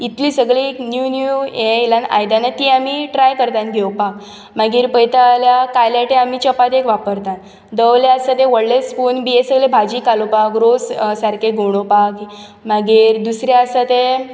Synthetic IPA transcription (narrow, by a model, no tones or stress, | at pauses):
it̪liːsəɡɭiknjunuelãna̰jd̪anat̪iamiʈɾajkəɾt̪ãnɡʱewpak̚ | maɡiːɾpəjt̪aljakajlaʈẽamit͡ɕəpat̪ekʋapəɾt̪at̪ | d̪əwleasat̪ẽʋəɽlespuːnbiesəɡlebʱad͡ʑikalopakɾod͡zsaɾkeɡoɽ̃opak | maɡiːɾd̪usɾaəsat̪e